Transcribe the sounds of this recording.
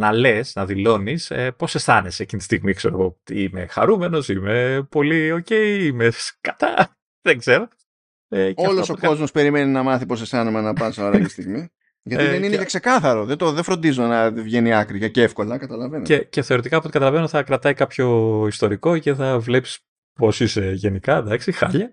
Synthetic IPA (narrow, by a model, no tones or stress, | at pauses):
nɐle̞snɐðilo̞nisepo̞se̞sθɐnescint̪i̥st̪iɣmikse̞ɾo̰ɣot̪iimexɐ̰ɾume̞no̞simepo̞lio̞ce̞iimeskɐt̪ɐ̰ | ðeŋɡz̥e̞ɾo̞ | eɐltoɐsoko̞zmo̞spe̞ɾimeninɐmɐθipo̞s̬esθɐnemɐnɐpɐnsoɾɐt̪ist̪iɣmi | ʝɐt̪iðeninejɐkse̞kɐθɐɾo̞ðet̪oðefɾo̞nd̪izonɐvʝeniɐkɾiʝɐceefko̞lɐkɐt̪ɐlɐve̞neceθeoɾit̪ikɐpot̪ikɐt̪ɐlɐve̞noθɐkɾɐt̪ɐikɐpço̞ist̪o̞ɾiko̞ce̞θɐvle̞psi̥s | po̞siseʝe̞nikɐðɐksixɐ̰ʎɐ